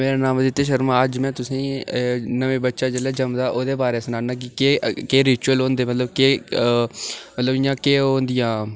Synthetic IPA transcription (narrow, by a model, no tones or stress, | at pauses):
meːɾãːnaːmd̪ɪt̪ːeːʃ̬əɾmãːəd͡ʒmɛ̃ːt̪ʊsĩːnəʋẽːbətːʃaːd͡ʒelɛːd͡ʒəmd̪aːʔoːd̪eːbaːɾeːsnaːnãːk̬ɪkekeːɾɪːt͡ʃuəlɦõːnd̪eːmət̪ləbkeː | mət̪ləbɪːãːkeːɦoːnd̪ɪjãː